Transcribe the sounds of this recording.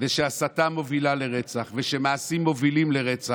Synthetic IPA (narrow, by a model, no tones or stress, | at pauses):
veʃeasat̪amovilaleʁet͡saχveʃemaːsimːovilimleʁet͡sa